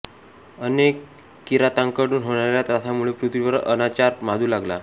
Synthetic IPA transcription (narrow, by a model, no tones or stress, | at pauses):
ənekː | iɾat̪aŋkəɽuːnɦoɽ̃aɾjat̪at̪ʰamuɭepɾut̪ʋiʋəɾə̰nat͡ɕaɾmad̪ʱuːlaɡla